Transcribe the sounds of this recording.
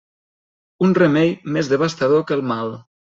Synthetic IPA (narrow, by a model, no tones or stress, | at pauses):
unremɛjmezðəβ̞ast̪aðokəlˠmalˠ